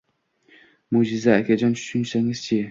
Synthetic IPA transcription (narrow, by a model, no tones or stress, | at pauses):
mod͡ʒɪzaːkʲʰad͡ʒɒnt͡ʃʰʊ̥ʃʊnsaŋɪz̥t͡ʃʰi